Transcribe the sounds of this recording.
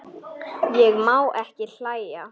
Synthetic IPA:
jɛɣmaːwʔɛhcɪl̥aːjja

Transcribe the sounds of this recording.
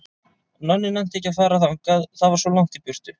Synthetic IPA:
nœnːɪnɛjm̥t̪ɛcːafajɾaθawŋkaðθaðvaɾsvɔlawŋ̥t̪ipʏr̥t̪ʏ

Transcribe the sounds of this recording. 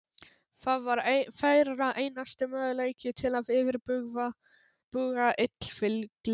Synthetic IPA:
θaðvaɾfaːjɾaʔeːjnast̪ɪmœːðʏleːjcɪt̪ʰɪlaðɪːvɪɾʏɣ | pʏɣɣaʔɪt̪l̥fɪlkl

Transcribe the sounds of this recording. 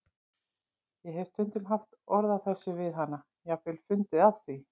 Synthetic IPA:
jɛɦɛv̥t̪ʰʏnt̪ɪnɦaft̪ɔɾðaθɛsːʏvɪðɦanːa | jɛɣfɪːlfʏnt̪ɪav̥θi

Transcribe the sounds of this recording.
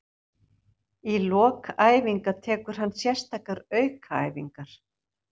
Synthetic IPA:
ilɔːkaːjviŋkat̪ʰɛːkʏɾ̥ɦanːsjɛ̥st̪akaɾœːɥkʰaa̰ːjviŋkaɾ̥

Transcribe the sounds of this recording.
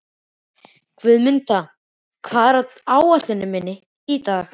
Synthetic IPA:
kʰvɪðmʏnt̪a | kʰvaːðɾaaːwaɾ̥θɛnːɪmɪnːɪ | it̪aːx

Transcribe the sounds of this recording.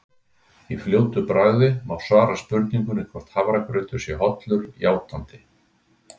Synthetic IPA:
ifljoːwt̪ʏpɾaːɥðɪmawsvaːɾaspʏɾt̪niŋkʏnɪkʰvɔr̥t̪havɾakɾʏːt̪ʏɾ̥sjɛɦɔt̪lʏɾjaːwt̪ant̪ɪ

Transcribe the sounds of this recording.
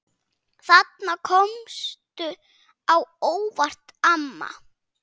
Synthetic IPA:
θat̪nakʰɔmst̪ʏ | awoːwvar̥t̪amːa̰

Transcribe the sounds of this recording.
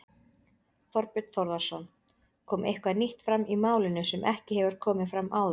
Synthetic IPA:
θɔɾpʏt̪θɔɾðasɔn | kʰɔːmʔejhkvaniht̪fɾamʔimaːwlɪnʏsɛmʔɛhcɪhɛvʏɾ̥kʰɔːmɪfɾamʔaːwð

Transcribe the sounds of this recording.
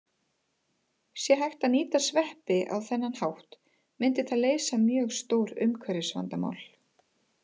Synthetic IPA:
sjɛɦajxt̪aðniːt̪asvɛhpɪʔa̰wθɛnːanhawht̪ | mɪnt̪ɪθaðleːjsamjœːɣst̪owɾʏmkʰvɛɾɪsva̰nt̪ama̰wl

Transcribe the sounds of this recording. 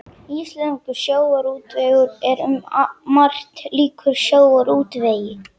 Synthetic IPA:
islɛnkʏsjoːwaɾuːt̪veːɣʏɾɛɾʏmmar̥t̪liːkʰʏɾ̥sjoːwaɾuːt̪veːjɪ

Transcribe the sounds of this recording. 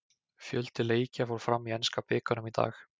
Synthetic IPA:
fjœlt̪ɪleːjcafowɾ̥fɾamːiɛnskapɪːkanʏmit̪a̰ːx

